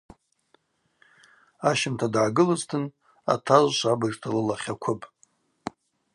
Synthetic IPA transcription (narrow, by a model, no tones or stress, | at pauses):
aʃɪmtʰadʕaɡɨlɨztʰɨn | a̰tʰaʒʷʃʷabɨrtʰalɨlaχʲakʷʰʊpʼ